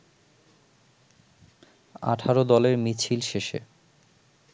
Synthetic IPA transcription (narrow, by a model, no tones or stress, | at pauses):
a̰ʈʰaɾod̪ɔleɾmit͡ɕʰilʃeʃḛ